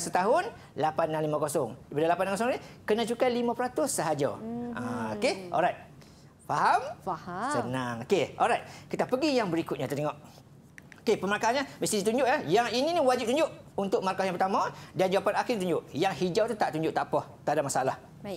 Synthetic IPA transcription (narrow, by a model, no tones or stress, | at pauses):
sət̪aɦʊn | lapanːaŋlimãkosɔŋdipadalapanːaŋkosɔŋnikənãt͡ʃukalimãpəɾat̪ʊsːəɦad͡ʒa̰aokeʔɔ̰lɾajt̪̚ | faɦamsənaŋokeʔɔ̰lɾajt̪̚kit̪apəɡijaŋbəɾikʊt̪̚ɲat̪ərt̪eŋɔʔ | okepəməɾakaanɲaməst̪idit̪̬uɲd͡ʒʊʔjajaŋininĩwad͡ʒip̚t̪uɲd͡ʒʊʔunt̪ʊʔ̚markajaŋpət̪amãdand͡ʒuapanakiɪdit̪uɲd͡ʒʊʔjaŋhid͡ʒawt̪ut̪aʔt̪uɲd͡ʒʊʔt̪aʔpɔht̪aadaʔmasalah